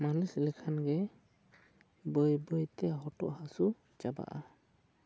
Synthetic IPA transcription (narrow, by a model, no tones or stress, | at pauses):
malislɛkʰanɡɛ | bəjbəjt̪ɛɦɔʈɔʔhasu | d͡ʒaba̰ʔa